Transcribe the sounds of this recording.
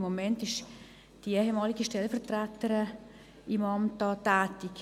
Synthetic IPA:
momɛntɪʃ | d̥iɛhemɑːlɪɡəʃtɛlfəʁtrætəɾə | ʔimɑmt̚dɑːtɛːtɪk

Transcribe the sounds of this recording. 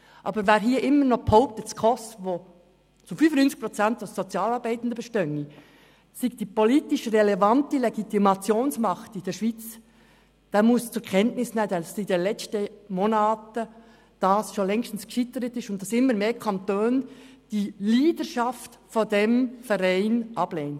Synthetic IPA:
ʔɑ̰ːbəɾvæːɾɦiːɾʔɪmːəɾnɔχpʰɔʊp̚təskʰɔsvoː | t͡sʊfynfənynt͡sɪ̥kpʁɔt͡sæntassɔt͡sjɑːlɑɾbæɪtn̩dəbəʃtœŋi | siɡ̚d̥iːpoliːtɪʃrɛlɛvɑntəleɡitimɑt͡sjoːnsmɑχtɪd̥ɛːʃv̥iːt͡s | d̥ɑmʊst͡sʊɾkʰɛntnɪsnɛːədɑsidenlɛt͡stəmonɑːtə | d̥ɑsʃolɛŋʃtn̩skʃɪt̪əɾətɪʃʊnt̚d̥ɑsɪmːəɾmeːɾkʰɑntøːnd̥iliːd̥əʃɑftfɔdɛmfɛɾæɪnʔɑb̥leːnt

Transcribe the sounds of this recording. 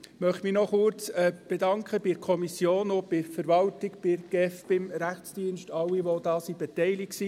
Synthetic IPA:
mœχtminɔχʊɾt͡sɛb̥ɛdɑŋkχəbɪkʰɔmisjoːnob̥ɪfəɾʋɑltɪkb̥ɪɡ̥ɛfb̥ɪmɾæχt͡sd̥iənʃtɑwiʋod̥ɑːsib̥ɛtɛɪlɪksi

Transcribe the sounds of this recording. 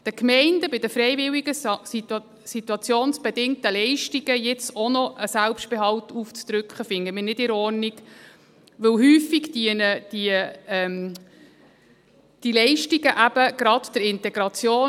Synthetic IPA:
d̥əkmɛɪnd̥əbɪd̥əfɾɛɪvɪliɡə | sit̪uɑt͡sjoːnsb̥ɛdɪŋt̪əlɛɪʃtiɡəjɪt͡sɔnɔʔəsælpʃt̚b̥eɦɑlt̪uft͡st̪ɾʏkχəfɪŋːəmɪːnɪdɪɾɔrniɡ | ʋɪlɦyːfiɡdinəd̥iəɛm | d̥ilɛɪʃtiɡəʔæb̥əɡ̥ɾɑt̪d̥̪əɾɪntɛɡ̥ɾɑt͡sjoː

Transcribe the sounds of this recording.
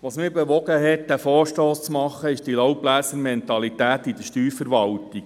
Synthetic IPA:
ʋɑsmibeʋɔɡəɦɛt̪̚d̪æfɔːɾʃtoːst͡smɑχːəɪʃd̥ilowblæːsəɾmɛnt̪ɑlitæːtid̥̪əʃtyːɾfəɾʋɑlt̪iɡ

